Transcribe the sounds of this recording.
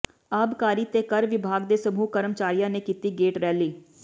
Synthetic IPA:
aːbkaːɾiːt̪eːkəɾʋɪbʱaːɡd̪eːsəbʱuːkəɾəmt͡ʃaːɾijãːneːkiːt̪iːɡeːʈɾɛːliː

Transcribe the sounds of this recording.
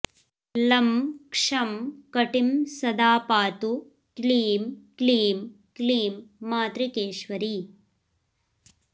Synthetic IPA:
lɐmkʂɐmkɐʈimsɐd̪aːpaːt̪u | kliːmkliːm | kliːmːaːt̪ɾikeːʃʋɐɾi

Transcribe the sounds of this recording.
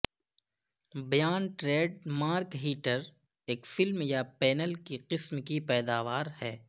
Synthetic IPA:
bɐjaːnʈɾeːɖmaːɾkɦiːʈəɾ | eːkfɪlmjapɛːnəlkiqɪsmkipɛːd̪aːʋaːɾhɛː

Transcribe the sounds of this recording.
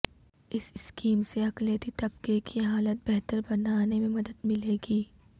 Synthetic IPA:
ɪsɪskiːmseɐklijət̪it̪ɐbkekʰiɦaːlət̪̚bɛɦt̪əɾbɐnaːnemẽmɐd̪əd̪mɪleːɡiː

